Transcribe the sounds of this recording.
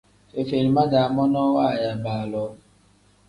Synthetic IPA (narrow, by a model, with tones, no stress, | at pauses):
fe˨fe˨ɾi˨ma˦ɡa˨a˨mɔ˦nɔ˦wa˦˨ja˨ba˨lɔ˦